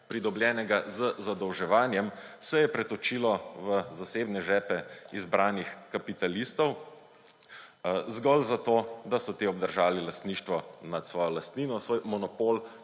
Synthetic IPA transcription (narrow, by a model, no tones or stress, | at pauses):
pɾid̪ɔbljɛːnɛɡazəzad̪ɔwʒɛʋaːnjɛmsɛjɛpɾɛt̪ɔt͡ʃiːlɔʋəzaseːbnɛʒɛːpɛizbɾaːnixkapit̪alist̪ɔw | zɡɔlzat̪od̪asɔt̪eɔb̚d̪əɾʒaːlilast̪niːʃt̪ʋɔnat̪sʋɔːjɔlast̪niːnɔsʋoːjmɔnɔpoːl